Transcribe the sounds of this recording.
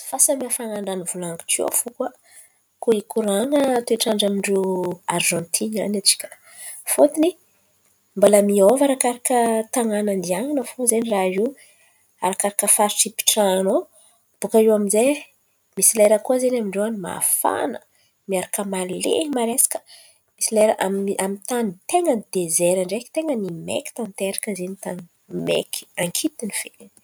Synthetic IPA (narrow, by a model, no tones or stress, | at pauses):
fasəmiafanaɳɖ͡ʐanivulaŋɡi̥ʈ͡ʂio̰fukwa | kuikuɾaŋət̪ueʈ͡ʂaɳɖ͡ʐamiɳɖ͡ʐuaɾʒɔ̃nt̪ʰina̰nat͡ʃi̥kʲə̥ | fot̪ini | mbalamiovaɾakaɾakət̪aŋanand̪iaŋanafozeniraiw | a̰ɾakaɾakəfaɾʈ͡ʂipi̥ʈ͡ʂano | b̥ukaiwaminze | misileɾəkuəzenamiɳɖ͡ʐewanima̰fa̰nə̰ | miaɾakəmalḛmaɾesḁkə̥ | misileɾəʔamʔamit̪anit̪eŋənd̪ezeɾaɳɖ͡ʐeki̥t̪eŋənimḛki̥t̪ant̪eɾakəzenit̪an | mḛkʰi̥aŋkʰit̪iniv̥eln